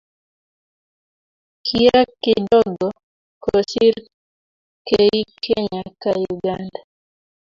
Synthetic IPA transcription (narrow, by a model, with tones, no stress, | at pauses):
kʰia˦kɪ˦dɔ˦ɡɔ˨ | kosi˦ɾ | kei˦kʰe˦ɲa˨kajuɡanda